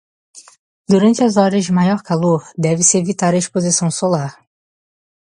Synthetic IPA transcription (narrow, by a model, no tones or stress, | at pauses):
d̪uɾɐ̃t͡ʃɪɐzɔɾɐzd͡ʒɪmajɔɾkaloɾd̪ɛvɪsɪevit̪aɾɐeʃpozisɐ̃w̃solaɾ